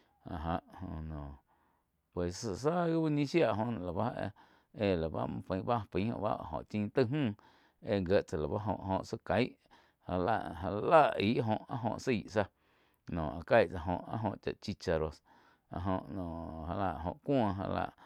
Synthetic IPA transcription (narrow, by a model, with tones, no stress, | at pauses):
a˨ɦa˧˨ʔhõ˧nɔ̃ː˨ | pwe˨ssə˧˨sa˦ɣi˦ba˦ɲĩ˦ʃja˦˨ʔɦõ˧ñ˨la˨ba˦ḛ˧ | e˧˨la˨ba̰˦mã˧pə̃˨˧j̃ba˦˧pĩ˨˦hõ̰˧ʔba̰˦˨ɦõ̰˨ʔt͡ʃĩː˧t̪ɨ˧ɦũː˦˨ | e˧ŋɡe˧˨ʔt͡sa˨la˨ba˦ɦõ˧ʔhõ˧ʔsə˦ka˨jʔ | ha˧la̰˧ʔɦa˧˨˧la˦ʔi˦ʔɦõ˧˨ʔa˦ʔɦõ̰˧ʔsi˨ʔsa˧ | nõː˨ʔa˨ka˧jʔt͡sa˧ɦõ̰˧˨ʔa̰˦ɦõ˧ʔt͡ʃa̰˧ʔt͡ʃi˧t͡ʃa˧ɾo˧s | a˧ʔɦõ˧ʔnɔ̃˨ɦa˧la˧ʔɦõ̰˧˨ʔkʷɔ̃˦˧ɦa̰˧la̰˧ʔ